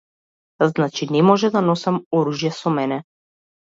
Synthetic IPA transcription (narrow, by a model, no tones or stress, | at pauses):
znat͡ʃinɛmɔʒɛd̪anɔsamɔɾuʒjɛsɔmɛnɛ